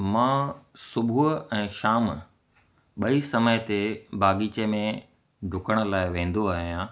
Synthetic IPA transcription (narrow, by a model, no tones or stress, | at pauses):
mãsʊbʱuɛ̃ːʃaːm | ɓɐisɐməjt̪ebʱaːɠiːt͡ɕemẽ | ɖʱʊkəɽ̃ʊ̆laːɪʋẽːn̆d̪oaːɦijãː